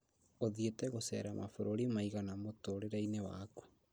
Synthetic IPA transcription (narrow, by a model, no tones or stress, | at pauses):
oðietɛɣosɛ̰ɾamʔa̰foɾoɾimaiɣanamotoɾeɾainewa̰ku̥